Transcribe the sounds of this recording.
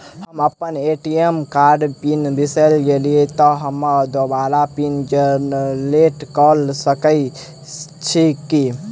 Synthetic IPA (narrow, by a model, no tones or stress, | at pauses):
həməpːəneʈijemkaɾɖpinbisəlɡelijet̪ɔɦəmːəd̪obalapind͡ʒəleʈkəlsəkə | t͡ʃʰikːi